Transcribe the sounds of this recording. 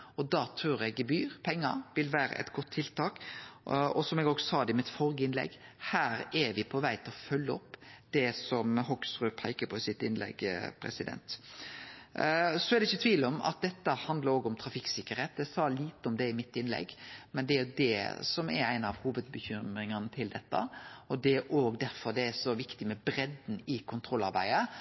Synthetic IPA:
ɔd̪ɑːt̪ʰɾuːɾɛɡbyːɾpʰɛŋːɑ̰ʋɪlʋæːɾə̰ʔɛ̰t̪ɡɔt̪ʰːɪlt̪ʰɑːk | ɔsɔmɛɡoːɡsɔsɑːd̪ɛɪmɪt̪fɔɾɡəɪnlɛ̰ɡhæːɾɛʋɪpʰɔʋæɪt̪ʰɪlɔfœlːəɔpːd̪̥ɛsɔmɦɔksʁʉːpʰæɪkəpʰɔsɪt̪ɪnlɛ̰ɡpʰɾɛ̰sɪd̪ɛ̰nt̪ | sɔæɾd̪ɛɪçːət̪ʰʋiːləɔmɑ̰t̪̚d̪ɛt̪ːəhɑnd̪ləɾoːɡɔmt̪ʰɾɑfɪksɪkːəɾeːt̪d̪æsɑliːt̪əɔmd̪ɛɪmɪt̪ːɪnlɛ̰ɡmɛnd̪ɛæɾjʊd̪ɛ̰sɔmɛ̰ɾæɪnɑʋhuːʋəd̪̚bəçʏmɾɪŋɑnət̪ʰɪld̪ɛt̪ːə̰ɔd̪ɛɾʔoːɡd̪æɾfɔɾd̪ɛæsɔʋɪkt̪ɪmɛbɾɛd̪n̩ɪkʰʊnt̪ʰɾɔlːɑɾbæɪə

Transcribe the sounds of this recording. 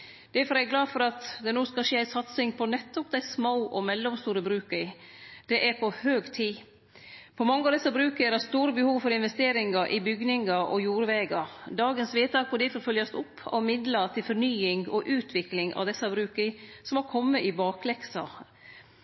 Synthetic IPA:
d̪̥ɛfɔɾæɛɡlɑːfɔɾɑt̪d̪ɛnoːskɑʂeːæɪsɑt̪sɪŋpʰɔnɛt̪ːɔp̚d̪æɪsmaʊʔɔmɛlːɔmst̪uːɾəbɾʉːkə | d̪̥ɛʔæɾpʰɔhøːɡt̪ʰiː | pʰɔmɑŋːəɑʋd̪ɛsːɑbɾʉːkəæɾɛst̪uːɾəbəhuːʋfɔɾɪnʋɛst̪eːɾɪŋɑɾʔɪbʏɡnɪŋɑʔɔjuːɾʋeːɡɑɾd̪ɑːɡənsʋeːt̪ɑːkɔd̪ɪfɔfœljɑst̪ʊpʰːɑ̰ʋmɪd̪lət̪ʰɪlfɔɾnyːɪŋɔʔʉːt̪ʰʋɪklɪŋʔɑ̰ʋd̪ɛsːɑbɾʉːkəsɔmɑkʰɔmːəʔɪbɑːklɛksɑ̰

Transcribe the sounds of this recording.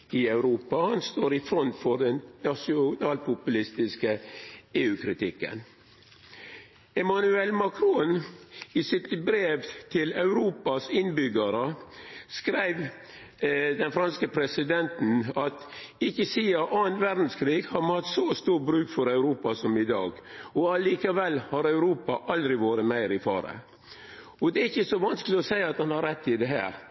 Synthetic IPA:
ɪɑʉɾuːpɑhɑnst̪oːɾɪfɾɔnt̪fɔɾɖɛnnɑʂɪʊnɑːlpʰʊpʉlɪst̪ɪskəeːʉːkʰɾɪt̪ʰɪkːə̰n | ɛmɑnʉɛlmɑkʰɾuːnɪsɪt̪bɾeːʋt̪ʰɪlɑʉɾuːpɑsɪnbʏɡəɾəskɾæɪʋ | d̪ɛnfɾɑnskəpʰɾɛsɪd̪ɛnt̪n̩ɑt̪ɪçːəsiːɑʔɑːnʋæɾd̪n̩skʰɾiːɡhɑɾmɑt̪sɔst̪uːɾbɾʉːkfɔɾɑʉɾuːpɑsɔmɪd̪ɑ̰ːɡɔɑliːkɑʋɛlːhɑɾɑʉɾuːpɑʔɑld̪ɾɪʋoːɾəmæɪɾɪfɑ̰ːɾə̰ | ɔd̪ɛɪçːəsɔʋɑnskəlɪɔsæɪɑt̪hɑnhɑɾɛt̪ːɪd̪ɛɦæ̰ːɾ

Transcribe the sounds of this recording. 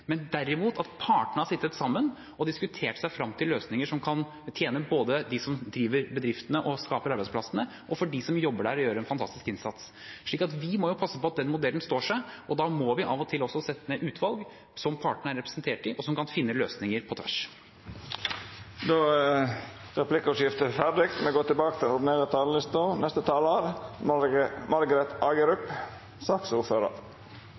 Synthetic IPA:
mɛnd̪æɾːɪmuːt̪ɑt̪pʰɑːʈəɳ̩əhɑsɪt̪ːət̪sɑmːən | ɔd̪ɪskʉt̪ʰeːʈsæɪfɾɑmːt̪ʰɪlːøːsnɪŋəʂɔmkʰɑn | t̪ʰjeːnəboːd̪əd̪ɪsɔmd̪ɾiːʋəɾbəd̪ɾɪft̪ənəʔɔskɑːpəɾɑɾbæɪspʰlɑsənə | ʔɔfɔɖɪsɔmjɔbːəɖæɾɔjøːɾəɾɛnfɑnt̪ʰɑ̰st̪ɪskɪnsɑt̪s | ʂɭiːkɑt̪ʋɪmɔjʊpʰɑsːəpɔɑt̪̚d̪ɛnmʊd̪ɛln̩st̪oːʂæɪʔɔd̪ɑmɔʋɪʔɑːʋɔt̪ʰɪlɔsːɔsɛt̪ːəməʔʉːt̪ʰʋɑlɡ | sɔmpʰɑːʈəɳ̩əæɾɛpɾɛ̥snt̪ʰeːʈɪʔɔsɔmkɑnfɪnːəløːsnɪŋəɾpʰɔt̪ʰʋæ̰ʂ | d̪oː | ɾɛpʰlɪkʊʂɪft̪əfæɖɪkt̪mɛɡoːt̪ɪbɑːkət̪ʰɪɛnʊɖɪneːɾət̪ʰɑːləlɪst̪ɑnɛst̪ət̪ʰɑːləɑɾ | mɑɾɡəɾɛt̪ɑːɡəɾʉp | sɑːksuːɾføːɾə̰ɾ

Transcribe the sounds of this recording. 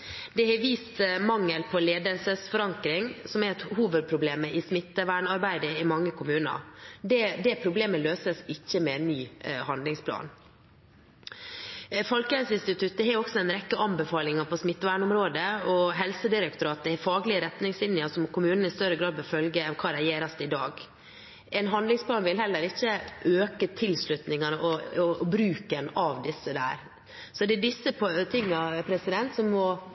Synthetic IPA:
d̪ɛhɛɾʋiːst̪mɑŋːəlpʰɔleːd̪əlsəsfɔɾɑŋkɾɪŋsɔmɛɾɛt̪huːʋəd̪̚pʰɾʊbleːməʔɪsmɪt̪ːəʋæːɳɑɾbæɪd̪əɪmɑŋːəkʰʊmʉːnɑ̰d̪ɛd̪ɛpʰɾʊbleːməløːsəsɪçːəmɛnːyːhɑnd̪lɪŋspʰlɑ̰ːn | fɔlkəɛsɪnst̪ɪt̪ʰʉt̪ːəhɛɾɔksɔɛnɾɛkːəʔɑmbəfɑːlɪŋɑpɔsmɪt̪ːʋæːɳʊmɾoːd̪əɔɦɛlsəd̪ɪɾək̚t̪ʊɾɑːt̪̚d̪ɛhɛfɑːɡlɪəɾɛt̪nɪŋsɪnɪəsɔmɔkʊmʉːnən̩ɪst̪œɾːəɡɾɑːd̪̚bɛfœlɡəɛnkʰɑːd̪ɛjeːɾɑst̪əɪd̪ɑːɡ | ɛnɦɑnd̪lɪŋspʰlɑːnʋɪlɦɛlːəɾɪçːəʔøːkət̪ʰɪlslʉt̪nɪŋɑnəʔɔɔbɾʉːkənɑʋd̪ɪsːəd̪æ̰ːɾ | sɔd̪ɛæɖɪsːəpt̪ʰɪŋːɑpʰɾɛsɪd̪ɛnt̪sɔmːɔ

